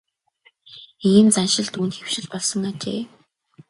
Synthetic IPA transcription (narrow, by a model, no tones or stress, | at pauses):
iːnt͡sanʃɪ̆ɮt̪unt̪xew̥ʃɪ̆ɮpɔɮsɞ̆ŋat͡ɕḛː